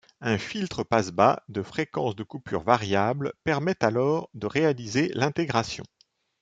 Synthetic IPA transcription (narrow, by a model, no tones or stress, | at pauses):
ɛ̃filt̪χəpasba̰d̪əfχekɑ̃sd̪əkupy̰ʁvaʁjablpɛʁmɛt̪alɔʁd̪əʁealizelɛ̃t̪eɡʁasjɔ̰̃